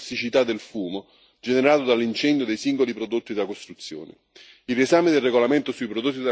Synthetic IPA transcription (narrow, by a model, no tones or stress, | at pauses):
sit͡ʃit̪ad̪ːelfuːmo | d͡ʒeneɾaːt̪od̪alːint͡ʃɛnd̪jod̪ejsiŋɡolipɾod̪ot̪ːid̪akost̪ɾut̪sːjo̰ːnɪ̰ | iresaːmed̪elreɡolament̪ʊsuipɾod̪ot̪̬ːid̪